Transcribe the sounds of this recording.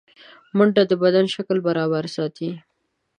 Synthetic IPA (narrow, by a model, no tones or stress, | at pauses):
mʊɳɖad̪əbad̪anʃaklbaɾɑβaɾsɑt̪i